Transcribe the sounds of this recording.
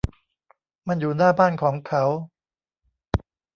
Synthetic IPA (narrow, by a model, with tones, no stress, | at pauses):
ma˧njuː˨˩naː˥˩baː˥˩nkʰɔː˩˦ŋkʰa˦˥w